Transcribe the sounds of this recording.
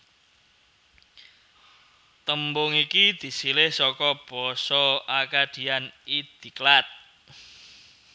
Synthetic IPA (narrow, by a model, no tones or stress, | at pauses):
t̪əmbʊŋikid̪̥i̤silɪhsɔkɔb̥ɔsɔakad̥i̤anid̪̥i̤klat̪̚